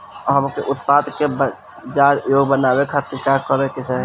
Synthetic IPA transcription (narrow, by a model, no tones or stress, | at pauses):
ɦəmkeʔʊt̪pad̪kebə | d͡ʒaɾjoɡbənabekʰat̪iɾkakəɾeket͡ʃɛ